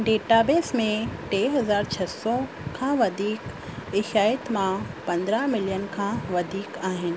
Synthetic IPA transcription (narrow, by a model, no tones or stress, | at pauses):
ɖeːʈabeːsmẽʈeːɦɐzaːɾt͡ɕʰɐsɔ | kʰãːʋɐd̪ʱiːk | ɪʃaːjət̪mãpɐ̃nd̪ɾəɦmɪlijənkʰãʋɐd̪ʱiːkaːɦɪnɪ̆